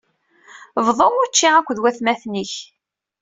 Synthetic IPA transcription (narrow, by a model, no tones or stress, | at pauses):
vðˤoʁʊt͡ʃːiækʷːðwæθmæθniç